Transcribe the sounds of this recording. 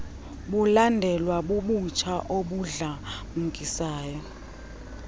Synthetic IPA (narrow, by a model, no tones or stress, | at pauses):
ɓulandʱɛlwaɓuɓut͡ʃʰaʔoɓuɮa | m̩kʼisaːjɔ